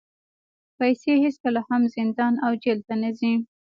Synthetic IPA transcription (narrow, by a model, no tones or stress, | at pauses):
pajseheskəlahamzɪnd̪ɑnawd͡ʒelt̪anazi